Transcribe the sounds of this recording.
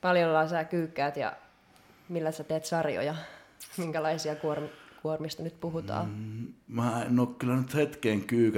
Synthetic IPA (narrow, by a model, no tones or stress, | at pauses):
pɑljolːɑːsæːkyːkːæːt̪jɑ̰ | milːæsæt̪eːt̪sɑrjo̰jɑmiŋkælɑisiɑkuormikuormist̪ɑnyt̪puhut̪ɑ̰ːmæːenːˑoˑːkkylːænyt̪het̪keːŋkyːk